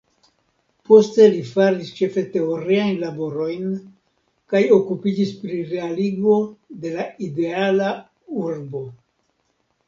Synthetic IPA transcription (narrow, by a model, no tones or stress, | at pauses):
po̞ste̞lifaɾist͡ʃe̞fe̞te̞o̞ɾiajnlabo̞ɾo̞jn | kajo̞kupid͡ʒispɾiɾe̞aliɡvo̞de̞laide̞ala | uɾbo̞